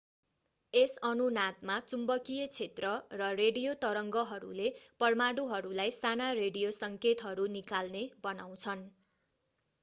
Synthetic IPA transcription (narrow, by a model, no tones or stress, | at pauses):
esʌnunat̪̚mat͡sumbʌkijʌt͡sʰet̪rʌrʌreɽijot̪ʌɾʌŋɡʌɦʌɾṵlepʌrmaɽuɦʌɾulajsanareɽijosʌŋket̪ɦʌɾunikalnebʌnaw̃t͡sʰʌn